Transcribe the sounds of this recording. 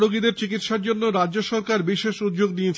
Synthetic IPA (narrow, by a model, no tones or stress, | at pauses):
ɾoɡid̪eɾt͡ɕikit̪ʃaɾd͡ʑonːoɾadd͡ʑoʃɔɾkaɾbiʃeʃud̪d͡ʑoɡniet͡ɕʰ